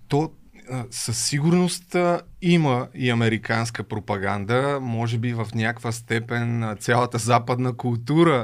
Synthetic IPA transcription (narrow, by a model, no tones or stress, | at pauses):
t̪ɔ | sɐsːiɡuɾnost̪əiməiɐmɛɾikanskəpɾopɐɡand̪əmɔʒɛbivɐfnʲjakvəst̪ɛpɛnt̪sʲjalˠət̪əzapəd̪nəkulˠt̪uɾə